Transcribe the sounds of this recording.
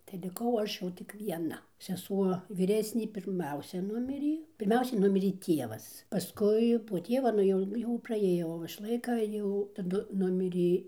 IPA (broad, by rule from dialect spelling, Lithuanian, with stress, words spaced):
tɐɪ lʲɪˈkɐʊ ˈɐʃ jɛʊ tʲɪk ʋʲiɛˈnɐ sʲɛˈsuɔ ʋʲiːˈrʲæːsʲnʲeː pʲɪrʲˈmʲɛʊsʲɛ ˈnʊmʲɪrʲeː pʲɪrʲˈmʲɛʊsʲɛɪ ˈnʊmʲɪrʲeː ˈtʲiɛʋɐs pɐˈskʊɪ poː ˈtʲiɛʋɐ nʊ ˈjɛʊ jɛʊ prɐˈeːjoː ˈoːʋɐʃ ˈlˠɐɪkɐ jɛʊ tɐˈdʊ ˈnʊmʲɪrʲeː